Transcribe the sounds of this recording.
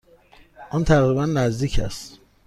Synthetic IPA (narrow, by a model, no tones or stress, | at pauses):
ʔɔnt̪ʰæɣɾibænːæzd̪iːcʰæst̪